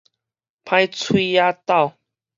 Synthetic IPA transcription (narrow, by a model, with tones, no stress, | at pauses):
pʰã˧jt͡sʰwi˦ja˦t̪a˥˨ʊ